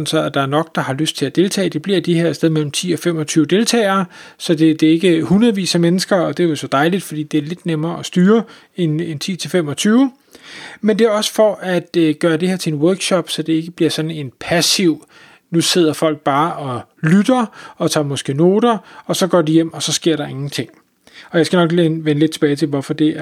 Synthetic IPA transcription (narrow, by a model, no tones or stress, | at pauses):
nsɒæd̥ɑ̈æɐnɒ̽ɡ̥̚d̥ɑ̈hɑ̈løsd̥̚t͡sʰe̝æd̥e̝lt͡sʰɛ̰ːd̥e̝b̥liɐ̰d̥eheɐ̰seð̞ˠmel̰m̩t͡sʰḭːɒ̽fem̰ɒ̽t͡sʰyːʊd̥e̝lt͡sʰɛ̰ːɪɐːsɒ̽d̥e̝d̥e̝e̝ɡ̥əhunɐðˠʋḭːsæmenəsɡ̥ɐɒ̽d̥e̝jo̝sɒ̽d̥ɑ̈ɪlid̥fɒd̥ḭːd̥e̝æɐle̝d̥nemɐːɒsd̥yːɐ | e̝nent͡sʰḭːt͡sʰe̝lfem̰ɒ̽t͡sʰyːʊ | mend̥e̝æɒ̽sə̥fɒʔæd̥ɡ̥ɶːɐd̥e̝heɐt͡sʰe̝enwœɐɡ̥ɕɒb̥sɒ̽d̥e̝e̝ɡ̥əb̥liɐsɒ̽d̥n̩e̝npʰæsiʊ̰ | nuse̝ð̰ˠɐfɒ̽l̰ɡ̥̚b̥ɑ̈ːʔɒ̽lyd̥ɐɒ̽t͡sʰɑ̰̈ːmɒsɡ̥e̝̰ːno̝ːɾɐɒ̽sɒ̽ɡ̥ɒ̰ːd̥ijem̰ɒ̽sɒ̽sɡ̥e̝ɐ̰ɾɑ̈e̝ŋn̩t͡sʰe̝ŋ̰ | ɒ̽jäɪsɡ̥ænɒ̽ɡ̥leʋenle̝d̥t͡sʰeb̥ɛːɪt͡sʰe̝lʋɒfɒ̽d̥e̝æɐ